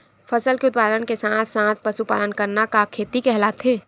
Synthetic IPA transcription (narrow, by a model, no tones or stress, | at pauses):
fʰɐsəlkeʊt̪̚paːd̪ənkesãːt̪ʰsãːt̪̚ʰpɐsupa̰ːlənkəɾnakakʰːeːt̪ikɛɦlat̪ʰɦẽː